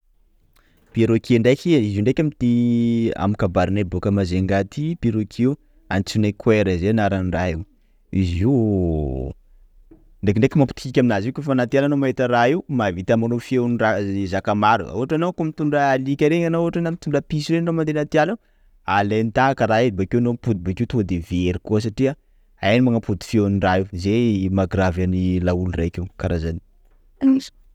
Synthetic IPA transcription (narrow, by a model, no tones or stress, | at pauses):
piɾokʰiɳɖ͡ʐajkʲiiziuɳɖ͡ʐajkʲamit̪ia̰mikabaɾinabokəmazeŋɡat̪ipiɾokʰiu | ant͡sunekweɾəzenaɾanraiw | iziw | ɳɖ͡ʐekiɳɖ͡ʐekʲimampi̥t̪i̥kikʲaminazikʲofanat̪ijalanomaɦet̪əraiwmavit̪amanofiewnirazakamaɾṵa̰uaʈ͡ʂanokumit̪uɳɖ͡ʐəalikʲəɾeŋanouɦaʈ͡ʂanamit̪uɳɖ͡ʐəpisiɾenomand̪enat̪iala | alent̪aakəɾaed̪ibakewnompud̪ibakeut̪ud̪eveɾikuəs̬aʈ͡ʂia | ajnimaŋapud̪i̥fiewaniraiuzemaɡɾavanilaulura̰jkʲewkaɾʔazani̥ | anis